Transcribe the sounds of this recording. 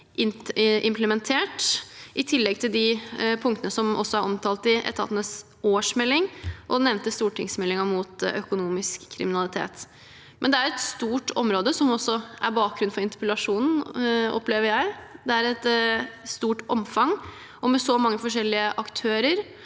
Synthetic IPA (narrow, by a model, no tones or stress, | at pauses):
ʔɪnʔɪmpləmɛnt̪ʰeːʈʔɪt̪ʰɪlːɛɡ̚t̪ʰɪld̪ɪpʰʊŋt̪ənəsɔmɔ̰sːɔɑɾʔɔmt̪ʰɑːlt̪ɪʔɛ̰t̪ʰɑ̰t̪nəs | oːʂmɛlːɪŋʔɔnɛʋnt̪əst̪uːʈʰɪŋsmɛlːɪŋɑmut̪œ̰kʊnuːmɪskʰːɾɪ̰mɪnɑlɪt̪ʰḛːt̪ | mʔɛnd̪ɛæɾɛt̪st̪uːʈʰɔmɾoːd̪əsɔmɔsːɔʔæ̰ɾbɑːk̚ɾʉnfɔɾɪnt̪ɪ̥pəlɑʂuːnn̩ɔ̰pleːʋəɾjæɪd̪ɛæɾɛt̪st̪uːʈɔmfɑŋ | ɔmɛsɔmɑŋːəfɔʂɛlːɪəʔɑkt̪ʰøːɾəɾ